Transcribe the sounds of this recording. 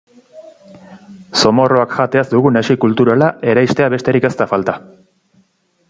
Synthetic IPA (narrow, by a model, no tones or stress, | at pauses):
so̞mo̞ro̞akʝat̪e̞azd̪uɣunasikult̪uɾalaʔe̞ɾajst̪e̞aβe̞st̪e̞ɾike̞st̪afalt̪a